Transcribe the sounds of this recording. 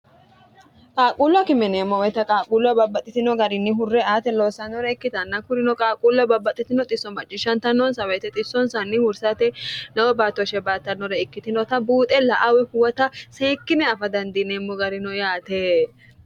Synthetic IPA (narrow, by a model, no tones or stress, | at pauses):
kʼaːkʼulwɐkɪmɛneːmːɔwɔjt̪ɐkʼaːkʼuːlwɐbɐbɐt̪ʼːɪt̪ɪnɔɡɐɾɪnːɪɦʊrːɛaːt̪ɛloːsɐnːɔɾɛɪkːɪt̪ɐnːɐkʊɾɪnɔkʼaːkʼuːlɐbɐbːɐt̪ʼːɪt̪ɪnɔt̪ʼɪsːɔmɐt͡ʃʼːɪʃɐnt̪ɐnːɔnsɐwɛt̪ɛt̪ʼɪsːɔnsɐnːɪhʊɾsat̪ɛnɐwɔbaːt̪ːɔʃɛbaːt̪ːɐnːɔɾɛɪkːɪt̪ɪnɔt̪ɐbuːt̪ʼɛlɐʔawɛhʊwɐt̪ɐseːkːɪnɛɐfɐd̪ɐnd̪ineːmːɔɡɐɾɪnɔjaːt̪eː